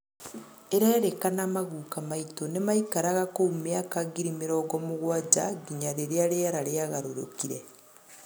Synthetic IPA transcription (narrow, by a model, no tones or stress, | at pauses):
eɾaeɾekanamaɣuːkamaitonemaikaɾaɣakoumjakaɡiɾimiɾɔːɡɔmuɣwad͡ʒaɡiɲaɾeɾeaɾejaɾaɾeaɣaɾoɾo̰kiɾe